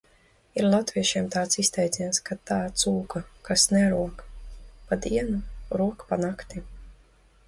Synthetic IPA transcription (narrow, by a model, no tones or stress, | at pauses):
iɾlˠat̪viɛʃiɛmt̪aːt̪sist̪ɛjd̪zʲinaskat̪aːt̪suːkakasnɛɾuɔkpad̪iɛnuɾuɔkpanakt̪i